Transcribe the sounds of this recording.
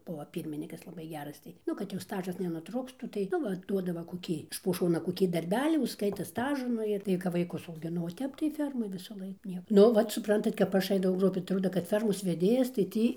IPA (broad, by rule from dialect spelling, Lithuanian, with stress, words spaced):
ˈbʊʋoː ˈpʲiːrʲmʲɪnʲiːkɐs lˠɐˈbɐɪ ˈɡʲæːrɐs tɐɪ ˈnʊ kɐt jɛʊ ˈstɑːʒɐs nʲɛnʊˈtrʊktuː tɐɪ ˈnʊ ˈʋɐ ˈduɔdɐʋoː koːˈkʲiː ɪʃ poː ˈʃoːnɐ koːˈkʲiː dɐrʲˈbʲæːlʲiː ʊʃˈskɐɪtɐ ˈstɑːʒʊ ˈnʊ ɪr ˈtɐɪ kɐp ʋɐɪˈkʊs ɐʊɡʲɪˈnɐʊ oː ˈtʲɛp tɐɪ ˈfʲɛrmoːj ʋʲɪsɐˈlˠɐɪk ˈnʲiɛ ˈnʊ ˈʋɐt sʊpˈrɐntɐt kɐp ˈɐʃ ˈɐɪdɐʋɐʊ ɐtˈroːdɐ kɐt ˈfʲɛrmoːs ʋʲɛˈdʲeːjɛs tɐɪ ˈtʲiː